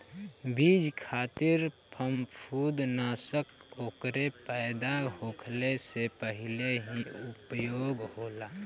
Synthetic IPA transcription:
bid͡ʒkʰaːt̪ɪɾpʰəmpʰud̪naːsəkoːkɾepəːd̪aɦoːkʰlesepəɦɪleɦiʊpəjoːɡhoːlaː

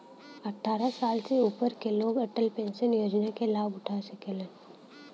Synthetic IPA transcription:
əʈʰːaːɾasaːlseupəɾkeloːɡəʈəlpẽːnsənjoːd͡ʒnakelaːbʊʈʰasəkelən

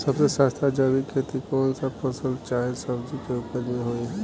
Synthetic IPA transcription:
sɐbsesaːst̪ʰad͡ʒaːʋikʰeːt̪ikɔːnsapɐsəlt͡ʃaːɦesɐbd͡ʒikeʊpəɾneɦoːi

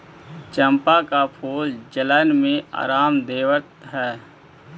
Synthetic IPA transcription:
t͡ʃə̃mpakapʰoːld͡ʒələnmẽa̰ːɾaːmd̪eːʋəɾt̪̚ɦɛː

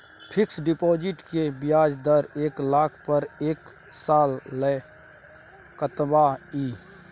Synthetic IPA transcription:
pʰɪksɖipoːd͡ʒɪʈkebijaːd͡ʒd̪əɾeːklaːkʰpəɾeːk | saːlːə | kət̪baiː

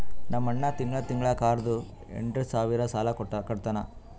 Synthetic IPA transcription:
nɐmːɐɳːɐt̪iŋɡɭɐt̪iŋɡɭɐkaːɾd̪u | ḛɳʈɾusaːʋiɾɐsaːlɐkkɐɽt̪ɐnɐ

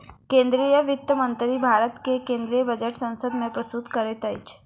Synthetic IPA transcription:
kẽːnd̪ɾijəʋɪt̪jəmə̃nt̪ɾibʱaːɾət̪kekẽnd̪ɾijəbəd͡ʒəʈsə̃nsəd̪mẽpɾəst̪ut̪kəɾet̪əjt͡ʃʰ

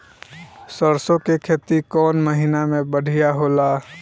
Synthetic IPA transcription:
səɾsõkekʰeːt̪ikɔːnməɦinamẽbəɽ̤ʱijaɦoːlaː

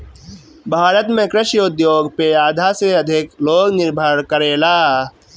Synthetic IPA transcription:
bʱaːɾət̪mẽkɾɪʃjʊd̪joːɡpeaːd̪ʱaseɐd̪ʱɪkloːɡnɪɾbʱəɾkəɾeːlaː

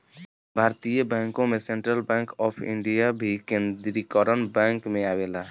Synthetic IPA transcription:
bʱaɾt̪ijəbɛ̃ŋkõmesẽɳʈɾəlbɛ̃ŋkɔpʰḭɳɖijabʱikẽnd̪ɾikəɾənbɛŋkmeabela

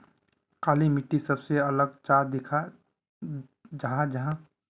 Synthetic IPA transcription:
kaːlimɪʈːisəbseɐləɡt͡ʃaːd̪ɪkʰa | d͡ʒɐɦãd͡ʒɐɦã

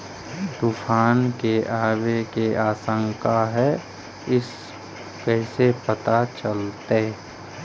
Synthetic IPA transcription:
t̪uːfʰaːnkeʔaːwekeaːsə̃ŋkaɦɛ | ɪs | kɛːɪsepət̪at͡ʃəlt̪e

